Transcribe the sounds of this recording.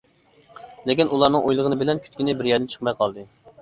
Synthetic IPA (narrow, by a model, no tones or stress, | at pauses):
lɪkʲinulˠɑɾnɨŋʔojlˠəʁənɨbɪlɛnkʲʰy̥t̪kʲinɪbɪɾjɛɾd̪ɪnt͡ʃʰə̥χmɑjqʰɑlˠd̪ɨ